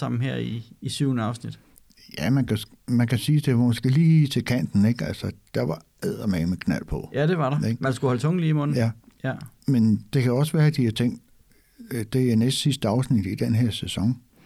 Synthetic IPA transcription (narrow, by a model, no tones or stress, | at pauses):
ɑ̈m̰n̩ɦeɐ̰iːsyʊnəɑ̈ʊsnid̥ | jæmænkʰæ | mænkæsiːd̥e̝ʋɑmosɡ̥e̝̰liːit͡sʰe̝lkʰæn̰d̥n̩e̝ɡ̥ælsɐd̥ɑʋɑ̈ | æð̰ˠɐmemekʰnæl̰pʰɒ̽jæd̥e̝ʋɑ̈ɾ̥ɑeɡ̥mænsɡ̥uhɒlt͡sʰɔ̽ŋ̰n̩liːimɔn̩jæjæmend̥e̝kʰæɒ̽sʋæːɐd̥ihɑt͡sʰeŋ̰d̥ | d̥e̝ænesd̥sisd̥əɑ̈ʊsnid̥id̥enɦeɐ̰sesɒ̽ŋ